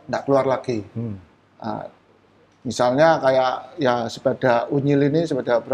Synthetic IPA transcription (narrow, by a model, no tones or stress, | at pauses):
ŋdaʔkəluarlaɡ̥i | ʔə̰ | misalɲakajaʔjasəpad̥auɲilinisəbad̥abəɾ